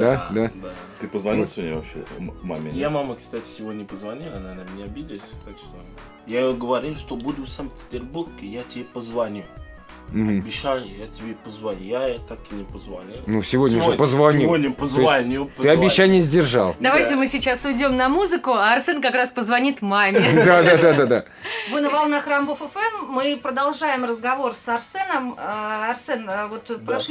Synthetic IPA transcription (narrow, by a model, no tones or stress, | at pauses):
d̪ad̪ad̪a | t̪ɨpəzvɐnʲisʲonʲjvɐ̰pɕḛma̰mʲejamaməkst̪atʲɪ̥sʲɪvodʲnʲəpəzvanʲilˠɐnanamʲɪnʲaɐbʲid̪ʲɪlsʲt̪akʂt̪o | jaɪjoɡəvɐɾʲilˠʂt̪obud̪ʲɪfsampʲɪ̥tʲɪrburɡɪjatʲɪbʲepəzvanʲu | m̩ɦ̩bʲɪɕalʲjatʲɪbʲepəzvanʲujat̪ak̚ʲɪnʲɪpəzvanʲilnusʲɪvodʲnʲəʐpəzvanʲivodʲnʲəpəzovanʲut̪ɨɐbʲɪɕːanʲɪjəzʲdʲɪrʐɑ̰lˠd̪ɐvajtʲɪmɨsʲɪt͡ɕasʊjdʲo̞mnɐmuzɨkʊaːrsɛnkɐkɾaspəzvɐnʲit̪mamʲɪd̪ad̪ad̪ad̪ad̪a | vɨnəvɐlˠnaxrambofɛfɛmːɨpɾəd̪ɐlˠʐajɪmrəzɡɐvo̞rsɐrsɛnəmɐrsɛnvo̞t̪pɾɐʂ